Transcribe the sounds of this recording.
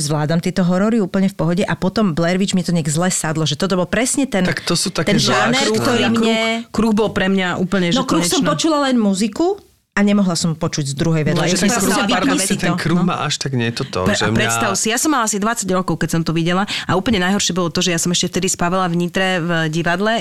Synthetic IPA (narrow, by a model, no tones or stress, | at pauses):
zʋlaːd̪amt̪ɪɛt̪ɔɦɔɾɔɾiuːpl̩ɲɛfpɔɦɔɟɛʔapɔt̪ɔmblɛɾʋid͡ʒmiɛt̪ɔɲɪaɡzlɛːsad̪lɔʒɛt̪ɔt̪ɔbɔlˠpɾɛsɲɛt̪ɛnakt̪ɔsut̪ak̪ɛnʒanɛɾkt̪ɔɾiːmɲɛkɾuɣbɔlˠpɾɛmɲaʔṵːpl̩ɲɛʒnɔkɾuːxsɔmpɔt͡ʃulalɛnmuziku | aɲɛmɔɦlasɔmpɔt͡ʃuɟzd̪ɾuɦɛjʋɛd̪laɛssɛʋiɾiʋɛsit̪ɔkɾunma̰ʔaʃt̪aɡɲɛjt̪ɔt̪ɔ̰pɾɛst̪asijasɔmalaasid̪ʋat͡saɟɾɔkɔʊkɛcsɔmt̪ɔʋiɟɛlaauːpl̩ɲɛnajɦɔɾʃɪɛbɔlˠɔt̪ɔʒɛjasɔmɛʃcɛft̪ɛd̪ispaʋalavɲit̪ɾɛvɟiʋad̪lɛ